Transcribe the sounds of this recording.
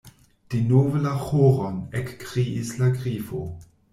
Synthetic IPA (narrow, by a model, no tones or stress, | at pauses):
d̥inovəlaxoɾonekːʁiislaɡʁifo